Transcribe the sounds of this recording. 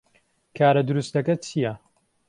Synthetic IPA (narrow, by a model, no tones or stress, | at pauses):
kʰaːɾɐd̪uɾust̪dɐkɐt͡ʃʰijɐ